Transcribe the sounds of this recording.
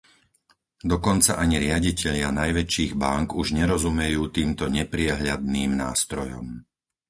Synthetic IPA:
d̪ɔkɔnt͡saʔaɲiɾɪaɟicɛʎɪanajʋɛt͡ʃiːɣbaŋkuʒɲɛɾɔzumɛjuːt̪iːmt̪ɔɲɛpɾɪɛɦʎad̪̚niːmnaːst̪ɾɔjɔ̰m

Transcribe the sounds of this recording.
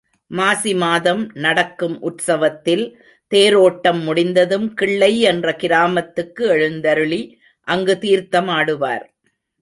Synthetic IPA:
maːsimaːðɐmnɐɽɐkːɯmʔʊʈsɐʋɐt̪ːɪl | t̪eːɾoːʈːɐmːʊɽɪnd̪ɐðɯmkɪɭːɐɪɛndrɐkɪɾaːmɐt̪ːɯkːɯɛɻɯnd̪ɐɾɯɭi | ʔɐŋɡɯt̪iːɾt̪ɐmaːɽɯʋa̰ːɾ

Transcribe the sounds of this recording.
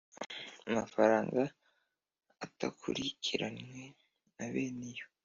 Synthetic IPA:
amafaɾaːŋɡa | atakʰṵɾikʰiɾanŋwe | naβeːnejo

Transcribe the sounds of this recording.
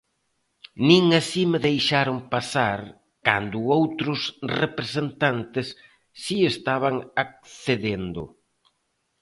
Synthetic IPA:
nĩŋasimeðejʃaɾʊŋpasaɾ | ka̰nd̪ʊowt̪ɾʊsrepɾesent̪ant̪ɪsː | iest̪aβ̞aŋak̚θeðend̪ʊ̰

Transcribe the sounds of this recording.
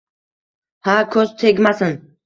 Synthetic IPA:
hakʰɵzt̪ʰe̞ɡʲmasɪn

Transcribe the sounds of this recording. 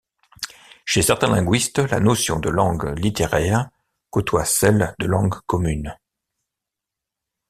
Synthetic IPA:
ʃesɛʁt̪ɛ̃lɛ̃ɡɥist̪la̰nosjɔ̃d̪əlɑ̃ɡlit̪eʁɛʁ | kot̪ʰwasɛld̪əlɑ̃ɡkɔmyn

